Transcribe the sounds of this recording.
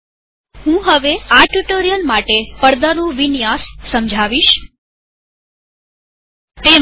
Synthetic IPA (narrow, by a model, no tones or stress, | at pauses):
ɦũɦəʋeaʈuʈoɾijəlmaʈepəɾd̪anũʋinjassəmd͡ʒʱaʋiʃ | t̪e